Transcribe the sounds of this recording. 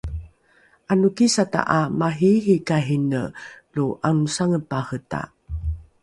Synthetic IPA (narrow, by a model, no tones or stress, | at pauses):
ʔanukisata̰ʔamaɦiɦikaɦinə̰luʔanusaŋəpahəta̰